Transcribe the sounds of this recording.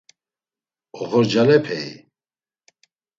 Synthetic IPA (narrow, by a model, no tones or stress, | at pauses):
ɔhɔɾd͡ʒalɛpʰɛj